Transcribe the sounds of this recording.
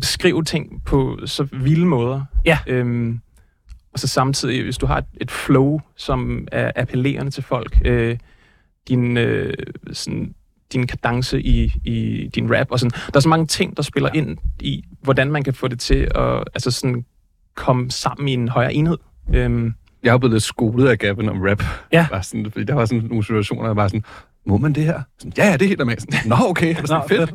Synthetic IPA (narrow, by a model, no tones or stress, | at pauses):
sɡ̥ʁḭʊt͡sʰe̝ŋ̰pʰɒ̽sɒ̽ʋiləmɔ̽ːð̞ˠɐøm | ɒ̽sɒ̽sɑ̈mt͡sʰið̞̰ˠiʋe̝sd̥uɦɑ̈e̝d̥e̝d̥floʊsɒ̽mæɐʔæpʰəle̝̰ːɐnət͡sʰe̝lfɒ̽l̰ɡ̥ø | d̥inøsɔn | d̥inkʰæd̥ɑ̈ŋsəʔiid̥inʁæb̥ɒ̽sɒ̽n̩d̥ɑ̈ɐsɒmɑ̈ŋət͡sʰe̝ŋ̰d̥ɑ̈sb̥e̝lɐʔe̝n̰iʋɒd̥ænmænkʰæfɔ̰̽ːd̥e̝t͡sʰe̝ɒ̽ælsəsɒ̽nn̩ | kʰɒ̽məsɑ̈m̰n̩ie̝nɦɒ̽ɪɐ̰ːʔe̝nhe̝ð̰ˠøm | jɑ̈hableðˠsɡ̥o̝ːlð̩ˠæɡ̥æb̥ən̩ɒ̽mʁæb̥jæbɑ̈sɔnfd̥ḭːd̥ɑʋɑ̈sɔ̽nno̝ːn̩sit͡sʰuæɕo̝̰ːnɐɑb̥ɑ̈ːsɔn̩ | mɔmænd̥e̝hæɐ̰sɒn̩jæjæd̥e̝he̝ːld̥æmæ̰snnɒokʰefed̥